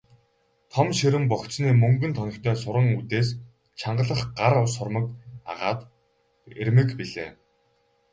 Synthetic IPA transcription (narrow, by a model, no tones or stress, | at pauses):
t̪ʰɔmʃeɾɘ̆mpɔksniːmɵŋɡɘ̆nt̪ʰɔnʲɞ̆kt̪ʰœːsʊɾə̆ŋut̪eːs | t͡ɕʰaɴɢə̆ɮə̆χɢaɾʊsʊrmə̆ka̰ʁa̰ːt̪ | ermɘ̆kpiɮeː